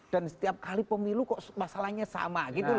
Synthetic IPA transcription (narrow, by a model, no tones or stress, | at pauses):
d̥ansə̥t̪iap̚kalipəmilukɔʔmasalahɲasa̰maɡit̪u